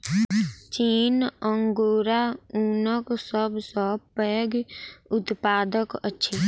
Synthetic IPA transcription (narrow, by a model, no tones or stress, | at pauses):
t͡ʃiːnə̃ŋɡoːɾauːnəksəbsəpəːɡʊt̪paːd̪əkə̰tːʃʰeː